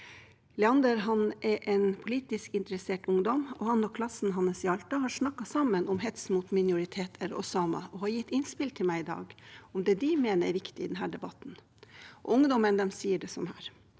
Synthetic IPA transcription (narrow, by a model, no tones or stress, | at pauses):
lɛɑnd̪əɾɦɑnɛɾʔɛnpʰʊliːt̪ɪskɪnt̪əɾɛseːʈʊŋd̪ɔmɔhɑnɔkʰlɑsn̩ɦɑnːəsɪɑlt̪ɑɦɑːɾʂnɑkːɑsɑmːənɔmɦɛt̪smuːt̪mɪnʊɾɪt̪ʰeːt̪ʰɛlɔ̰sɑːmɑ̰ʔɔhɑɾjɪt̪ːɪnspɪlt̪ʰɪlmæɪɪd̪ɑ̰ːɡɔmd̪ɛːd̪ɪmeːnəɾɛʋɪkt̪ɪɪd̪ɛnɦæːɖɛbɑt̪n̩ | ʔɔ̰ʊŋd̪ɔmənd̪ɛmsiːəɖɛsɔmhæːɾ